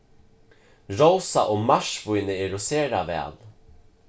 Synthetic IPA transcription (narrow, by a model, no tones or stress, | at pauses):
ɹowsaʔoːmaʂvujnɪɛɾʊseːɾavɛ̰ːl